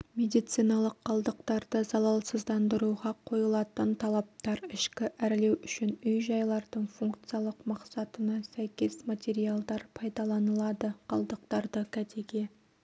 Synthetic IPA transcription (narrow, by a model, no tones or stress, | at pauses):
mʲe̞d̪ijt̪sijnɑlˠəqʰːɑlˠd̪əqt̪ɑɾd̪əzɑlˠɑlˠsəzd̪ɑnd̪əɾuʁɑqʰo̞jəlˠɑt̪ənt̪ʰɑlˠɑp̚t̪ɑɾɪʃkʲɪʔæɾle̞wʏʃɪnʏjʒɑjlˠɑɾd̪əɴfuŋkt̪sɨjalˠəqmɑqsɑt̪ənɑsæjkʲe̞smat̪ʲe̞ɾialˠd̪ɑɾpʰɑjd̪ɑlˠɑnəlˠɑd̪əqʰɑlˠd̪əq̚t̪ɑɾd̪əkʲʰæt̪ʰe̞ɡʲe